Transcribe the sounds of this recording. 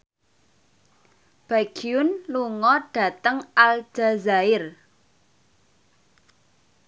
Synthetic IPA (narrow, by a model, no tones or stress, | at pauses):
b̥aɡ̥iʊnluŋɔɖ̥a̤t̪əŋal̥d͡ʒ̥a̤zaɪr